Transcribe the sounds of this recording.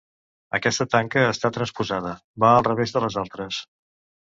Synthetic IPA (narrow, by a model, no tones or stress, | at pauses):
ə̰kɛst̪ət̪aŋkəːst̪at̪ɾənspuzað̞ə | baəlˠrəβezðələzalˠt̪ɾəs